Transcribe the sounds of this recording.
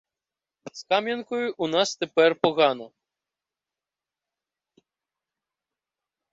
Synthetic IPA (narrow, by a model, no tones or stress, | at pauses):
skamʲjɛnkɔjuʔunast̪ɛpɛrpɔɣanɐ